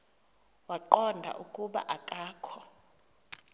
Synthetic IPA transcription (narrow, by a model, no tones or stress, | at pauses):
waǃɔndʱa̰ʔukʼuɓa̰ʔakʼaːkʰɔ